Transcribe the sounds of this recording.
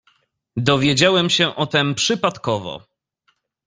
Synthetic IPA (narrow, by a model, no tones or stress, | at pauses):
d̪ɔvʲjed͡ʑawɛmɕɛʔɔt̪ɛmpʂɘpat̪kɔvɔ̰